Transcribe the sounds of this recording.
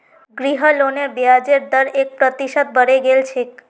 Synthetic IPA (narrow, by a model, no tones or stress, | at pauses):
ɡɾiɦəlonebjad͡ʒeɾd̪əɾek̚pɾət̪iʃəd̪̚bʱəɾeɡelt͡ʃʰek